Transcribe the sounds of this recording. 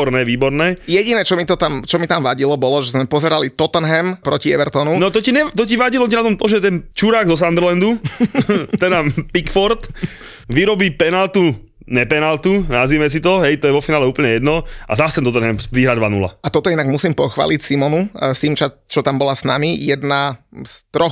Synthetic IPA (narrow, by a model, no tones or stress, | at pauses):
ɔɾnɛːʋiːbɔɾnɛːjɛɟinɛːt͡ʃɔmit̪ɔt̪amt͡ʃɔmit̪amʋaɟilɔbɔlɔʒɛzmɛpɔzɛɾalit̪ɔt̪ɛnɦɛmpɾɔciɛ̰ʋɛɾt̪ɔnunɔt̪ɔcinɛt̪ɔciʋaɟilɔcinat̪ɔmt̪ɔʒɛt̪ɛnt͡ʃuɾaːɡzɔs̬and̪ɾlɛnd̪u | t̪ɛd̪apikfɔɾt̪ | ʋiɾɔbiːpɛnalt̪u | ɲɛpɛnalt̪una̰zʋimɛs̬it̪ɔɦɛjt̪ɔjɛʋɔfinaːlɛuːpl̩ɲɛjɛd̪nɔa̰zast̪ɛnt̪ɔt̪ɛnɦɛmʋiɦɾad̪ʋanṵla̰at̪ɔt̪ɔinaɡmusiːmpɔxʋa̰ːlicsimɔnusimt͡ʃat͡ʃɔt̪ambɔlasna̰mijɛd̪nast̪ɾɔx